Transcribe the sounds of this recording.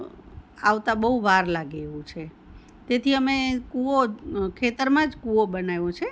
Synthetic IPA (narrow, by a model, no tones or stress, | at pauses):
aʋt̪ãbəɦuʋaɾlaɡeʋũt͡ʃʰe | t̪et̪ʰiəmekuokʰet̪əɾmãd͡ʒkuobənajõt͡ʃʰe